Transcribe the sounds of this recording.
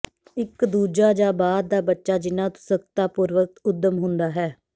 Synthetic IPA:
ɪkd̪uːd͡ʒaːd͡ʒaːbaːd̪̚ːaːbətːʃaːd͡ʒɪnãːt̪ʊ̥səkt̪aːpʊɾʋək̚t̪ʊd̪ːəmɦʊ̃nd̪aːɦɛː

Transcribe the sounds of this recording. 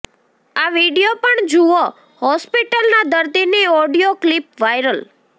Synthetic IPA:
aʋiɽijopəɳd͡ʒuo | hɔspiʈəlnad̪əɾd̪iniɔɽijoklipʋajɾəl

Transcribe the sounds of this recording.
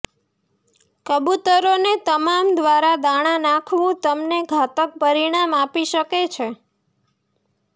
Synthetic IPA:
kəbut̪əɾonet̪əmamd̪ʋaɾad̪aɽ̃ãnãkʰʋũt̪əmneɡʱat̪ək̚pəɾiɽ̃amapiʃəket͡ʃʰe

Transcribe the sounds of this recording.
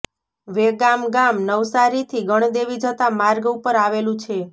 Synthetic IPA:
ʋeɡamɡamnəʋsaɾit̪ʰiɡəɳ̃d̪eʋid͡ʒət̪amaɾɡupəɾaʋelũt͡ʃʰe

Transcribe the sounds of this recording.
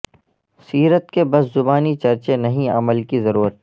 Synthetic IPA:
siːɾət̪kebɐszʊbaːnit͡ʃɐɾt͡ʃenɐɦĩɐ̰məlkizɐɾuːɾət̪̚

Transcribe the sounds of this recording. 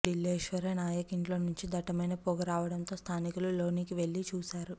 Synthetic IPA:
ɖilːeːʃʋɐɾɐnaːjɐkiɳʈlo̞ːnuɲt͡ʃid̪ɐʈɐmɐjnɐpoːɡɐɾaːʋɐɽɐnt̪o̞ːst̪ʰaːnikululoːnikiʋe̞ɭːit͡ʃuːsaːɾu

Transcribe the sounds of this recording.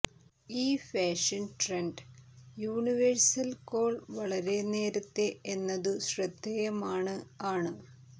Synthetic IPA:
iːfeːʂɐnʈreɳɖjuːɳiʋersɐlko̞ːɭʋɐɭɐɾe̞ne̞ːɾɐt̪ːeenːɐðɨɕrɐd̪ʱːejɐmaːɳɨaːɳɨ

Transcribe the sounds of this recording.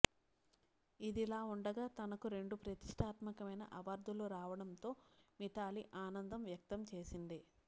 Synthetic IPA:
id̪ilaːuɳɖɐɡaːt̪ɐnɐkuɾe̞ɳɖupɾɐt̪i̥ʂʈʰaːt̪mɐkɐmɐjnɐ̰ʔɐʋɐːɾd̪ʱuluɾaːʋɐɽɐnt̪o̞ːmit̪aːliʔaːnɐnd̪ɐmʋjɐk̚t̪ɐmt͡ʃe̞ːsind̪i

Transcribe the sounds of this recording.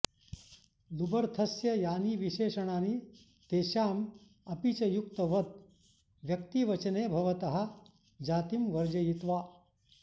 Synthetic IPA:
lubəɾt̪ʰɐsjɐjaːniːʋiɕeɕɐɳ̃aːniː | t̪eːɕaːm | ɐpit͡ɕɐjuk̚t̪əʋɐd̪̚ | ʋjɐkt̪iːʋɐt͡ʃneːbʱɐʋɐt̪ɐɦa | d͡ʑaːt̪imʋɐɾd͡ʑɐjit̪ʋaː

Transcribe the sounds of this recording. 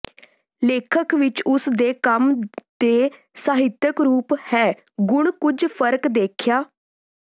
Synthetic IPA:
leːkʰəkʋɪt͡ʃʊsd̪eːkəmd̪̥eː | saːɦɪt̪jəkɾuːphɛː | ɡʊɳ̃kʊd͡ʒpʰəɾkd̪eːkʰjaː

